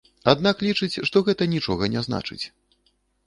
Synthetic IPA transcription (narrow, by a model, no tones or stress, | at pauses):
ad̪naklʲit͡ʂɨt͡sʲʂt̪ɔɣɛt̪ɐnʲit͡ʂɔ̰ɣɐnʲɛzna̰t͡ʂɨ̰t͡sʲ